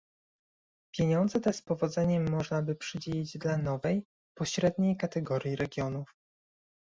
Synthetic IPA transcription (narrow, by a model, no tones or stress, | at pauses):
pʲjeɲɔnd̪zɛt̪ɛspɔvɔd̪zɛɲɛmːɔʐnabɘpʂɘd͡ʑelʲid͡ʑd̪lanɔvɛj | pɔɕɾɛd̪ɲejkat̪ɛɡɔɾʲjiɾɛɡʲjɔnuf